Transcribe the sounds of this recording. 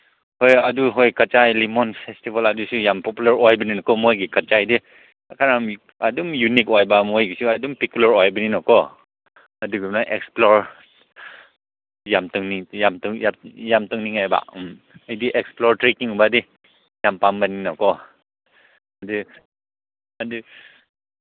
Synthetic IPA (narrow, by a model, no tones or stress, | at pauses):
hɔjaduɦɔjkat͡ʃajlimɔnpʰestibaladusujampɔpulaɾɔjbɯninakɔmɔjɡikat͡ʃajdi | kʰaɾam | adumjunikɔjbamɔjɡsuadumpikulaɾɔjbɯninɔkɔ | aduɡipnaʔɛksplɔɾ | jamtɯŋnijamtɯŋjajamtɯŋniŋajba̰ʔm | ajdiʔɛksplɔɾtɾekiŋubadi | jampambaninɔkɔ | adɯ | adɯ